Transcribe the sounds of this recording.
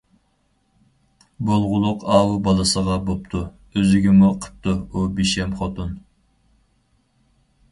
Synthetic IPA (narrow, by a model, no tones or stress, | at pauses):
bolˠʁʊlˠʊqɑːwubɑlˠɨsəʁɑbop̚t̪ʰu | øzɪɡʲimuqʰə̥p̚t̪ʰuubiʃɛmχot̪un